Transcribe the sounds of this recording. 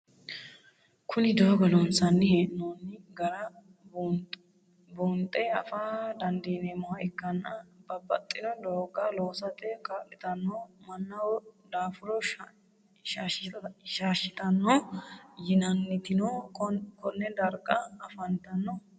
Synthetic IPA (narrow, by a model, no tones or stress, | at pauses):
kʰʊnɪd̪oːɡɐlonsɐnːɪheːʔnoːnːɪɡɐɾɐ | b | boːnt̪ʼːɛɐfaːd̪ɐnd̪eːnemɐhɐɪkːɐnːɐbɐbːɐt̪ʼːɪnɔd̪oːɡaloːsɐt̪ʼɛkʼaːʔɪt̪ɐnːɔmɐnːɐwɔd̪aːfʊɾɔ | ʃaːʃːɪt̪ɐnːɔjɪnɐnːɪt̪ɪnokɔnːɛd̪ɐɾɡʼɐɐfɐnt̪ːɐnːɔ